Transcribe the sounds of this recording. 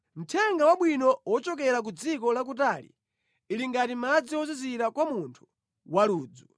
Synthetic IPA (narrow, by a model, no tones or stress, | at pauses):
m̩tʰɛŋɡawaɓwinɔwɔt͡ʃɔk̬ɛɾak̬ud͡zikɔlak̬utalḭː | liŋɡatimad͡ziwɔz̬iziɾakwamuntʰu̥ | waluːd͡zu